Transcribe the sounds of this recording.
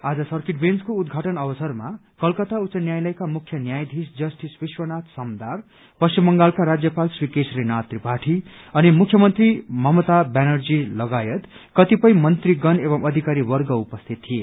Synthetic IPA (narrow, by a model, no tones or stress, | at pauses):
ad͡zʌsʌrkiʈbenskoud̪ɡʱaʈʌnʌbʌsʌrma | kʌlkʌt̪ausʌnjajlʌjkamukʰjʌnjajd̪ʱisd͡zʌsʈisbiswʌnat̪ʰsʌmd̪ar | pʌst͡ɕimbʌŋɡalkaɾad͡zjʌpalsrikesrinat̪ribʱaʈʰiʌnimukʰjʌmʌnt̪rimʌmʌt̪abanʌrd͡zilʌɡajʌt̪ | kʌt̪ipʌj̃mʌnt̪riɡʌnebʌmʌd̪ʱikaɾiwʌrɡʌupʌst̪ʰit̪ːʰie